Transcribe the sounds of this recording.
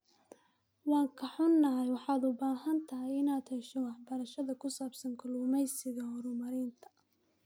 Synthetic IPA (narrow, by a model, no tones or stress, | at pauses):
wɑːŋkʰɐħʊnːɐɦɛjwɑħɑːd̪ʊbaːɦɐnt̪ʰɐɦɛjɪnaːd̪hɛʃɔwɑħbɐɾɐʃɐðɐkʰʊsaːbsɐŋkʰʊlʊmɛjsɪɣɐhɔɾʊmɐɾɪːnt̪ʰɐ̥